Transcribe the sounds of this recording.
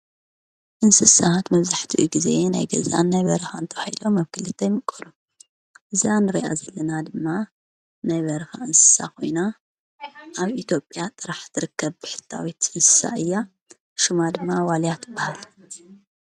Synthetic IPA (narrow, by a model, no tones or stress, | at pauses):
ʔɨnsɨsahat̪mɐβzaħt̪ʰiʔṵɡize̞na̰jɡɐ̰za̰nːajβɐɾɨxant̪ʰɐβahilo̞mːɐβkʰɨlɨt̪ʰːɐjmɨkʼːɐlu | ʔɨzanɨɾiʔa̰zɐlːɐnad̪ɨmːa | najβɐɾɨxa̰ɨnsɨ̥sa̰kʰo̞̰jna | ʔaβit̪ʰjo̞pʼjat̪ʼɨɾaħzɨɾɨkːɐβbɨħɨ̥t̪ʰːa̰wit̪ɨnsɨ̥sa̰ʔɨjːa | ʃumad̪ɨmːawaljat̪ʰɨbːahal